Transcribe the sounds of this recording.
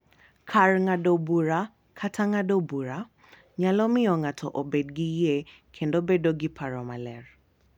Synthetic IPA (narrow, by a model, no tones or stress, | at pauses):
kʰarŋadobuɾa | kʰatʰaŋadobuɾa | ɲalɔmɪɔŋatʰɔʔobedɡɪje | kʰendobedoɡɪpʰaɾɔmalɛr